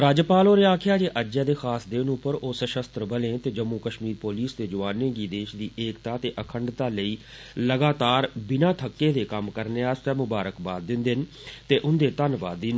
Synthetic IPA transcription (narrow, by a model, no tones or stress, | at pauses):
ɾaːd͡ʒpaːloːɾeaːkʰjaːd͡ʒeːʔəd͡ʒaːd̪eːxʰaːsd̪ɪːnʊpəɾoːsəʃəst̪ɾəbəlẽːt̪eːd͡ʒəmːuːkəʃmiːɾpoːliːsd̪eːd͡ʒʊʋaːnẽːɡiːd̪eːʃd̪iːʔeːkt̪aːt̪eːʔəkʰəɳɖt̪aːləiː | ləɡaːt̪aːɾbɪnãːt̪ʰəkːeːd̪eːkəmkəɾneːaːst̪ɛːmʊbaːɾəkbaːt̪̚d̪ɪnd̪ɪn | t̪eːʔʊnd̪eːt̪ənʋa̰ːd̪iːn